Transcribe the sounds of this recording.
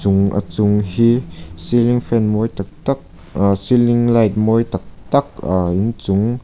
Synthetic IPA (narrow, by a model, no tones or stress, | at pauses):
t͡sʊŋʔɐ̰t͡sʊŋɦisiliŋfɛnmɔjt̪ak̚t̪ak̚ | siliŋlajt̪̚mɔjt̪ɐk̚t̪ɐk̚aint͡sʊŋ